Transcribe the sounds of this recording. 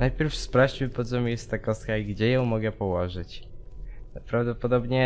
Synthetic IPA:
najpʲjɛɾfspɾaft͡ɕmɘpɔt̪zɔmʲijɛst̪t̪ːakɔst̪kaiɡd͡ʑɛjɔ̃w̃mɔɡɛpɔwɔʐɘt͡ɕ | pɾavd̪ɔpɔd̪ɔbɲɛ

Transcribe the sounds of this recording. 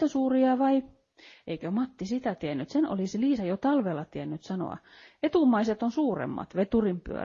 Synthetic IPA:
t̪æsuːriɑʋɑi | ʔeikømɑt̪ːisit̪æt̪iænːyt̪seno̰lisiliːsɑjot̪ɑlʋelɑt̪iænːyt̪sɑno̰ɑ̰ | et̪umːˑɑiset̪onsuːrḛmːɑ̰t̪ʋet̪urimpy̰ø̰

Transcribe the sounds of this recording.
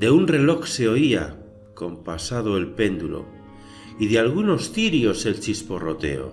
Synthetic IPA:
d̪e̞unre̞lokse̞oia̰ | ko̞mpasað̞oelpe̞nd̪ulo̞̰ | iðealɣ̞uno̞st̪iɾio̞se̞lt͡ʃispo̞rot̪e̞̰o̰

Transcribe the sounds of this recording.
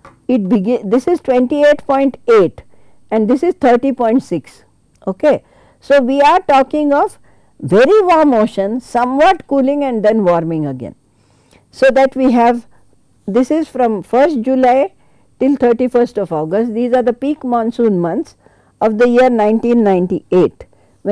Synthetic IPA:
ɪʈ̚bɪɡɪ̃d̪ɪsɪzʈʋɛ̃ɳʈieːʈpɔ̃ɪ̃ɳʈeːʈ | ɛ̃ɳɖd̪ɪsɪzt̪ʰəːɾʈipɔ̃ɪ̃ɳʈsɪks | oːke | soːʋiːaɾʈɔːkɪ̃ŋɔːʋ | ʋɛɾiʋɔːmoːʃə̃nsʌ̃mʋɔːʈkuːlɪ̃ŋɛ̃ɳɖd̪ɛ̃nʋɔːɾmɪ̃ŋɡəɡɛ̰̃n | soːd̪æʈʋiːɦɛʋ | d̪ɪsɪzfɾɔ̃mfəɾsʈ̚d͡ʒulaɪ | ʈɪlt̪ʰəɾʈifəɾsʈɔʋɔːɡəsʈd̪iːzaːɾd̪əpiːkmɔ̃ːnsũːnmʌ̃nt̪s | ɔʋd̪əjiəɾnãɪ̃nʈĩnːãɪ̃nʈieːʈ

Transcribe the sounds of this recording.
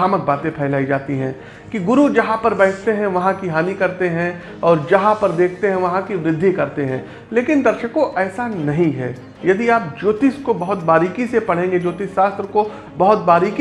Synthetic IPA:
aːmək̚baːt̪ẽpʰɛːlaːid͡ʒaːt̪iɦɛ̃ː | kiɡʊɾud͡ʒɐɦãpɐɾbɛːkʰt̪eɦɛ̃ʋɐɦãkiɦaːnikɐɾt̪eɦɛ̃ | ɔːɾd͡ʒɐɦãpɐɾd̪eːkʰt̪eɦɛ̃ʋɐɦãkiʋɾɪd̪ʱːikɐɾt̪eɦɛ̃ː | leːkɪnd̪ɐɾʃəkõʔɛːsanɐɦĩɦɛ̰ː | jɐd̪iaːp̚d͡ʒoːt̪ɪskobɐɦʊt̪baːɾiːkisepɐɽ̤ẽːŋɡed͡ʒoːt̪ɪsːaːst̪ɾəko | bɐɦʊt̪̚baːɾiːk

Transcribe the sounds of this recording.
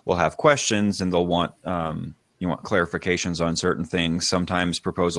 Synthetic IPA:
wḭlˠəv̥kʰw̥ɛst͡ʃɨ̃nzɨ̃nðeɪlˠwɑ̃nt̚m | jɨwɑ̰̃nkʰl̥ɛɹɨfɨkʰeɪʃɨ̃nzn̩sɜ˞ʔn̩θɪ̃ŋz̥sʌ̃mtʰãɪ̃mz̥pʰɹ̥əpʰoʊz

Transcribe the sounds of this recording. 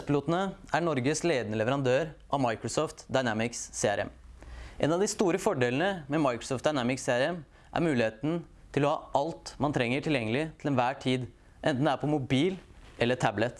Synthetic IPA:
spəluːt̪nəæɳɔɾɡəsleːd̪ənəlɛʋəɾɑnd̪øːɾʔɑʋmɑɪkɾʊsɔːft̪d̪ɑɪnæmɪksːeːæɾɛ̰mʔɛ̰nɑʋd̪ɪst̪uːɾəfɔɖeːlən̩əmɛmɑɪkɾʊsɔːft̪̚d̪ɑɪnæmɪkseæɾɛm | ʔæ̰ɾmʉːlɪheːt̪n̩ | t̪ʰɪlɔhɑ̰ːʔɑlt̪mɑnt̪ʰɾɛŋːəʈʰɪljɛŋːəlɪt̪ʰɪlɛnʋæːʈʰiːd̪ | ʔɛ̰nt̪n̩d̪æɾpʰɔmʊbiːlɛlːəʈʰæblət̪

